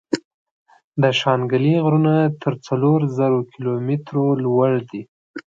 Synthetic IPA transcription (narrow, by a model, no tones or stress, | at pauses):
d̪əʃɑnɡəliɣɾunat̪ʰəɾt͡saloɾzəɾokʰɪlomɪt̪ɾolwaɽd̪i